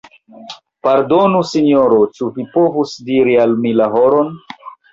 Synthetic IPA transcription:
paɾdo̞nusino̞ɾot͡ʃuvipo̞vusdiɾialmilaɦoɾon

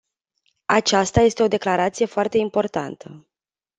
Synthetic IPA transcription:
at͡ʃast̪aje̞st̪e̞o̞d̪e̞klaɾat̪sije̞foart̪e̞impo̞rt̪a̰nt̪ʰə

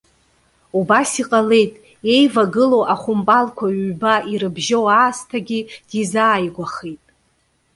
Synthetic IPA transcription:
ubasiqʼale̞jtʼ | e̞jvaɡɨlo̞wʔaχʷʊmpʼalkʷʰaɥːbaiɾɨbʒowaːstʰaɡʲid̥izaːjɡʷaχejtʼ

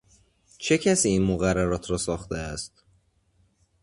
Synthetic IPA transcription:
t͡ʃʰe̞cʰæsiːinmoɣærːæɾɒːt̪ʰɾɒːsɒːxt̪eæst̪̚

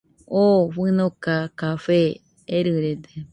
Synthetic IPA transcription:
oɸɨnõkakafeː | ɾɨɾed̪e

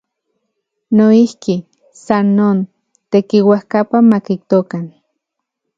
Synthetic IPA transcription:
noihki | sanːoːn | t̪ekiwahkapamakik̚t̪okan

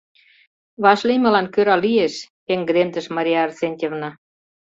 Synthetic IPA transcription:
βɑʃlemĕlɑnkøɾɑlieʃpeŋɡəd̪emt̪ə̆ʃmɑɾʲijɑːrsenʲt̪ʲevnɑ

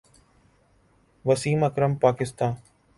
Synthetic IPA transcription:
ʋəsiːmɐkɾəmpaːkɪst̪ãːn

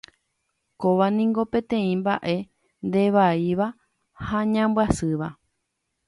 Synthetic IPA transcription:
koʋanĩŋɡo̞pẽ̞t̪ẽ̞ĩmba̰ʔe̞ | nd̪e̞ʋaiʋa | haɲãmbwasɨʋa

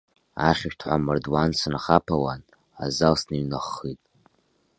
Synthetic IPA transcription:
aχʲʃʷᶣtʰħʷamɨrdwansɨnχapʰawan | a̰zalsninɨχːitʼ

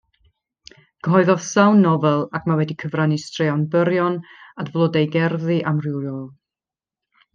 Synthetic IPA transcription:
ɡ̥əɦɔɨðɔð̥sawnːɔvɛlˠakʰmawɛdikʰəvranistrɪanbəɾjɔnadvlˠɔdejɡɛrðɨʔamrɪwɾjɔːlˠ

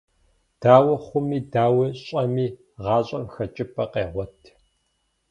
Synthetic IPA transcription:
d̥aːwɐχʷʊmiːdaːwɐɕʼɐmiː | ʁɑːɕʼɐmxɐt͡ʃʼɪpʰʼɐqeːʁʷɔtʰ

